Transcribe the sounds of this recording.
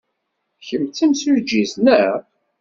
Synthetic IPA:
çəmt͡sːæmsʊɾd͡ʒiznæ

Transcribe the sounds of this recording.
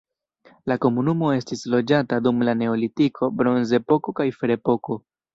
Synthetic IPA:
lako̞munumo̞e̞stislo̞d͡ʒatadumlane̞olitikʰo̞bɾo̞nze̞po̞ko̞kajfeɾe̞po̞ko̞

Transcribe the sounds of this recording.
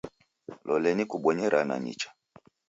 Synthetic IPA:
lɔlɛnikuɓɔɲɛɾʔana̰ɲḭt͡ʃḁ

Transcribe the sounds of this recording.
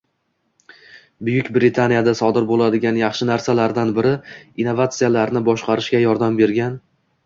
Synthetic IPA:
bʊjʊkʲbɾɪt̪ʰanijad̪asɒd̪ɪɾbolad̪ɪɡʲanjɑχʃɪnaɾsalaɾd̪anbɪɾɪinːovat̪sɨjalaɾnɪbɒʃqʰɑɾɪʃkʲajɒɾd̪ambe̞ɾɡʲan

